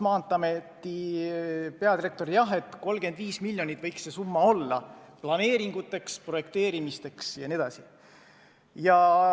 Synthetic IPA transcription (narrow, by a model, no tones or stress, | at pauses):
mɑːnt̪ːˑɑmet̪ːi | pe̞ɑd̪ire̞k̚t̪o̞ɾijɑɦe̞t̪ːˑko̞lɡ̥e̞nd̪̥viːsmilʲjo̞nit̪ːˑvɤ̞jksːe̞sumːɑo̞lːɑ̰plɑne̞ːɾiŋɡ̥ut̪ːˑe̞kspro̞je̞kt̪e̞ːɾimist̪e̞ksjɑnie̞d̪̥ɑsi | jɑ